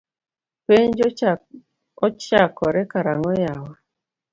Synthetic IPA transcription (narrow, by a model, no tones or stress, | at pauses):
peɲd͡ʒ | ɔt͡ʃakɔɾɛkaɾaŋɔjawa